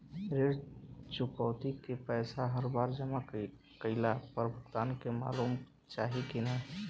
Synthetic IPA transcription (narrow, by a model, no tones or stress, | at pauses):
ɾeɾt͡ʃʊkəʊt̪ikepɛːsaɦəɾbaːɾd͡ʒəma | kəɪlapəɾbʱʊkt̪aːnkema̰ːluːm | t͡ʃaːɦikina